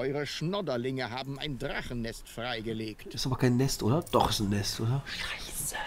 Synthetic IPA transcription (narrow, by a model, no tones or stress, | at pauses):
ɔʏʁəʃnɔdɐlɪŋəɦaːbn̩a̰ɪndʁaχənːɛstfʁaɪɡəleːktɪstaːbɐkʰaɪnːɛstʔoːdɐd̥ɔχɪsn̩ːɛstoːdɐʃaɪs